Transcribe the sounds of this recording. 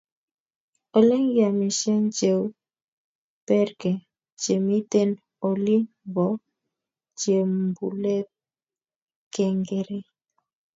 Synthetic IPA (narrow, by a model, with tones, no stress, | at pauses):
o˨le˦ŋɡja˨mi˨ʃe˦nt͡ʃe˨w | pɛ˦ɾkɛ˨ | t͡ʃe˨mi˦te˦n | o˨li˦ | bɔ˨˦ | t͡ʃe˨m˨bṵ˨lɛ˦p̚ | kɛ˦ŋɡe˨ɾe˦